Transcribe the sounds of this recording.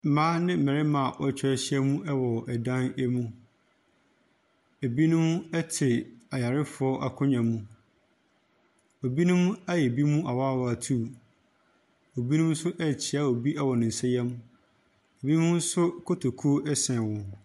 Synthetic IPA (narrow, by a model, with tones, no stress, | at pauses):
m̩˨mãː˦nɪ̃˦m̩˨mɛ̃˨ɾɪ˦mã˨ʔɔ˦t͡ɕʰᶣɪ˦ɛ˦ɕɪ˦ɛ˦mũ˦ʔɛ˦wɔ˨ʔɛ˨dã˦nɛ˦mũ˦ | e˨bi˦nʊ̃˦m˦ɛ˦tʰɪ˨a˨ja˨ɾɪ˦fʊ˨˦ɔ˦ʔa˨kʰʊ̃˦ɲã˨mũ˦ | o˨bi˦nʊ̃˦m˦a˦jɛ˨bi˦mũ˦ʔa˨wa˦˨wɔ˨a˨tʰu˦˨ | o˨bi˦nũ˦m˦sʊ˦ʔɛ˨t͡ɕʰɪ˨˦a˦o˨bi˦ʔɛ˦wɔ˨nɪ̃˨n̩˨sɛ˦jɛ˦m | e˨bi˦ũ˦m˦sʊ˦kʰo˦tʰo˨kʰu˦o˦ʔɛ˦sɛ̃˨wɔ̃˨n